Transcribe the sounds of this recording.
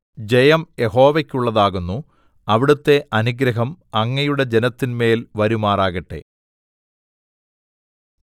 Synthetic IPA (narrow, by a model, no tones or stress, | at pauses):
d͡ʑe̞jɐmjeɦo̞ːʋɐkʲːuɭːɐðaːɣunːu | ɐʋiɽut̪ːe̞ʔɐnuɡɾɐɦɐmɐŋːɐjuɽe̞d͡ʑenɐt̪ːinme̞ːlʋɐɾumaːraːɣɐʈːe̞̰